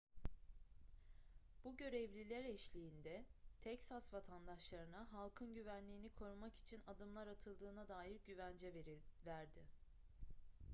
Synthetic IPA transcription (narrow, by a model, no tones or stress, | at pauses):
b̥uɟøɾɛvlʲilʲæɾɛʃlʲiːnd̪ɛt̪ʰɛcsasvat̪ʰand̪aʃlˠaɾɯnaɦalˠkʰɯnɟyvænlʲiːnikʰo̞ɾumaki̥t͡ʃʰinad̪ɯmlˠaɾat̪ʰɯlˠd̪ɯːnad̪aːjiɾɟyvænd͡ʒɛvæɾd̪ɪ